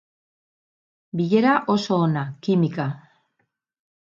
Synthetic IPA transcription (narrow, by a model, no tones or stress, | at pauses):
biʎe̞ɾaʔo̞so̞ːnakimika